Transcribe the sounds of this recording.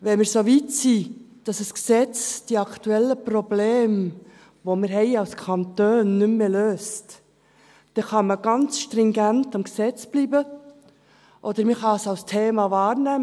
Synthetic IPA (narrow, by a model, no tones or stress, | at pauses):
ʋɛnməɾsoʋitsi | d̥ɑsəsksɛt͡sd̥iɑkʰtuɛlːəprɔbleːm | ʋomɪɾɦɛɪɑlskʰɑnt̪øːnːʉmːeːløːst | d̥ɛχɑməɡ̥ɑnt͡sʃtɾɪŋɡæntɑmksɛt͡sb̥liːbə | ʔɔd̪əɾmiχɑsɑwstʰeːmɑvɑːɾnæ